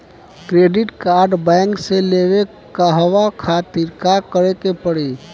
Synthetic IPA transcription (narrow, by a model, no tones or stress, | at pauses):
kɾeːɖɪʈkaːɾɖbɛ̃ːŋkseleːwe | kaɦəʋakʰaːt̪ɪɾkakəɾekepəɽi